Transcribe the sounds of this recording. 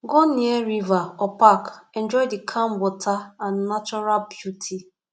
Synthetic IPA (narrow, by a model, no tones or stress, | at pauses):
ɡɔnieɾivaɔpakɛ̃nd͡ʒɔjdikʰãmwɔtʰaãnːat͡ʃɔɾalbjutʰi